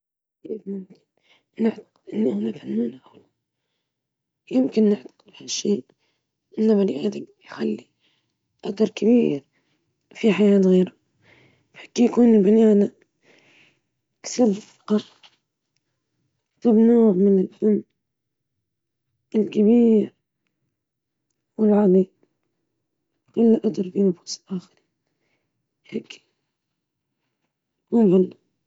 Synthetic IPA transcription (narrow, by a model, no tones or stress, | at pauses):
kiːfmʊmkɪn | nɪʕt̪ḁqɪd̪ʔɪnːhʊnafanːuːnaʔawla | jɪmkɪnːɪʕt̪ḁqɪd̪haʃiː | ʔɪnːamalʔad̪ɪɡjxalːi | ʔak̚d̪ɑɾˤkabiːɾ | fiħajaːt̪ɣiːɾa | ħḁkːijkuːnbɪnaːna | ksabfqɑ | t̪ɪbnoːʕmɪnɪlfanː | ɪlkabiːɾ | wɪlʕali | kʊlːʔat̪ɑɾˤfinʊfu̥ːsɪ̥lʔaːxɪɾiːn | hekː | mʊbˤʊlː